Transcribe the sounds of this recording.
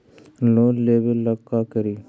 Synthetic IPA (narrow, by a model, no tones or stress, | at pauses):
loːleːbəlːəkːaːkəɾiː